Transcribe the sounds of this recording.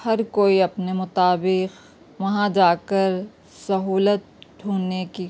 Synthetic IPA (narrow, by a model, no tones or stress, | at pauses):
hɐɾkoːiɐpnemʊt̪aːbɪq | ʋɐɦãd͡ʒaːkəɾ | sɐɦuːlət̪̚ɖʰuːnːeki